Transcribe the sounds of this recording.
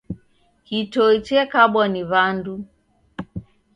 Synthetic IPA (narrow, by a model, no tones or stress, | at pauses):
hitɔit͡ʃɛkaɓwaniβandu